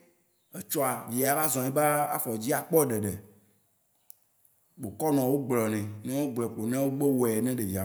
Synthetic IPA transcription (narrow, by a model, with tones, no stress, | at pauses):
e˨t͡ʃɔ˦a˨vi˨a˨va˦zɔ̃˨ɛ˦ba˦a˦fɔ˨d͡ʑi˦a˨k͡pɔ˦˨ɖe˨ɖe˨ | ɡ͡bo˨kɔ˦nɔ̃˨wo˦ɡ͡blɔ˨nɛ̃˨nɛ̃˦wo˦ɡ͡blɔ˨k͡po˨nɛ̃˦wo˦ɡ͡be˦wo˨ɛ˨nɛ̃˦ɖe˨vi˨a˨